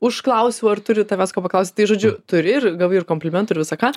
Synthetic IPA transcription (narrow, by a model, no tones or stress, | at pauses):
ʊʃklˠɐʊsʲɪmuɐrt̪ʊɾʲɪt̪ɐʋʲæːskoːpɐklˠɐʊsʲt̪ɐɪʒoːd͡ʒʲʊt̪ʊɾʲɪɪrɡɐlˠʋɐɪɪrkoːmpʲlʲɪmʲɛnt̪ʊɪɾʋʲɪsɐkaː